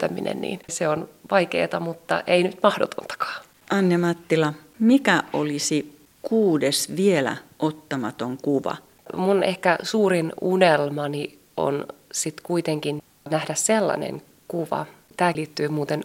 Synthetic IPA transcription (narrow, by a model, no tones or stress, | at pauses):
t̪æmḭnḛnnḭːnseonʋɑjkḛːt̪ɑmut̪ːɑ̰ʔeinyt̪mɑhdot̪ont̪ɑ̥kɑ̥ː | ɑnːemɑt̪ːilɑ | mikæolisi | kuːdesʋielæ̰ʔot̪ːɑmɑt̪oŋkuʋɑ̰ | munehkæsuːrinunelmɑni | o̰nsit̪kuit̪eŋkin | næhdæsselːɑ̰nḛŋ | kuʋɑ̰ | t̪æːliːt̪ːyːmuːt̪en